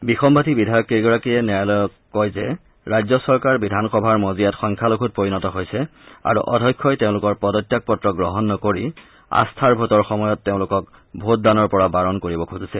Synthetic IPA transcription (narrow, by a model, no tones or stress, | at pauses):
bixɔmbʱatibidʱajɔkejɡɔɹakijɛnɛalɔ | kɔjzɛ | ɹajzɔsɔɹkaɹbidʱanxɔbʱaɹmozijatxɔŋkʰalokʰut̚poɹinɔtɔɦojsɛa̰ɹṵʔɔ̰dʱɔjkʰːɔjteʊ̃lʊkɔɹpɔdɔtːjak̚pɔtːɹɔɡɹɔɦɔnːɔkoɹi | a̰stʰaɹbʱotɔɹxɔmɔjɔtːeʊ̃lʊkɔk | bʱot̚danɔɹpɔɹabaɹɔnkoɹibɔkʰuzisɛ